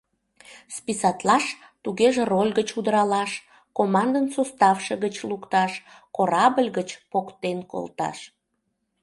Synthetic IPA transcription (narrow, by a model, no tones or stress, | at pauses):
spisɑt̪lɑʃ | t̪uɣeʒerolʲɣət͡ɕud̪əɾɑlɑʃ | komɑnd̪ənsost̪ɑfʃeɣət͡ɕlukt̪ɑʃkoɾɑbəlʲɣət͡ɕpokt̪enko̰lˠt̪ɑ̰ʃ